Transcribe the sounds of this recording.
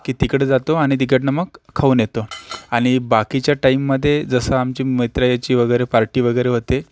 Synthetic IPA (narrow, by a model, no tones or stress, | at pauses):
kiːt̪ikɽed͡zat̪oaɽ̃it̪̬ikəʈnəmːəɡʰːauːnjet̪oaɽ̃ibakit͡ɕjaʈaimːəd̪ʱːjed͡zəsəamt͡ɕiːməjt̪ɾajat͡ɕiːʋəɡəjɾepaɾʈiːʋəɡəjɾeɦot̪e